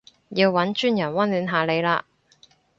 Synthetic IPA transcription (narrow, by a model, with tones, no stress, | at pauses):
jiː˧wːɐ˨˥nt͡ʃyː˥njɐ˨˩nwɐ˥nlyː˨˧nɦaː˨le˨˧jlaː˧